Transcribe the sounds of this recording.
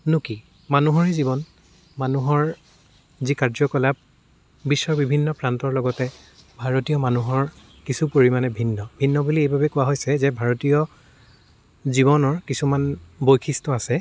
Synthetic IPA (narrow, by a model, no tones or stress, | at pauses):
nuki | manuɦɔɹɛzibɔn | manuɦɔɹ | zikaɹzɔkɔlap̚ | bisːɔɹbibʱinːɔpɹantɔɹlɔɡɔtɛ | bʱaɹotijɔmanuɦɔɹ | kisupoɹimanɛbʱinːɔbʱinːɔbuliejbʱabɛkʊwaɦojsɛzɛbʱaɹotijɔ | ziβɔnɔɹkisumanbojkʰistɔasɛ